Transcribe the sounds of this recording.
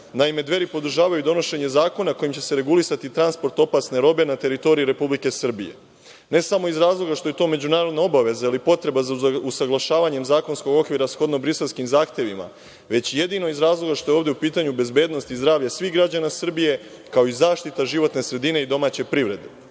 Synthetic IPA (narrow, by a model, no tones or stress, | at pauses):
naime̞d̪ʋe̞ɾipo̞d̪ɾ̩ʒaːʋajud̪o̞no̞ʃe̞ɲe̞zaːko̞nako̞jimt͡ɕe̞̥se̞ɾe̞ɡulisat̪it̪ɾanspo̞ɾt̪o̞pasneɾo̞be̞nat̪e̞ɾit̪o̞ɾiiɾe̞publike̞sr̩bije̞̰ | ne̞samo̞izɾaːzlˠo̞ɡaʃt̪o̞je̞t̪o̞me̞d͡ʑunaːɾo̞d̪nao̞baʋe̞zailipo̞t̪ɾe̞bazausaɡlˠaʃaːʋaɲe̞mzaːko̞nsko̞ɡo̞kʋiɾasxo̞d̪no̞bɾise̞lˠskimzaːxt̪je̞ʋima̰ | ʋe̞t͡ɕije̞d̪ino̞izɾaːzlˠo̞ɡaʃt̪o̞eoːʋd̪e̞upiːt̪aɲube̞zbeːd̪no̞st̪izd̪ɾaːʋʎasʋixɡɾad͡ʑanasr̩bije̞ | kao̞izaːʃt̪it̪aʒiʋo̞t̪ne̞sɾe̞d̪ine̞id̪o̞maːt͡ɕe̞pɾiʋɾe̞d̪e̞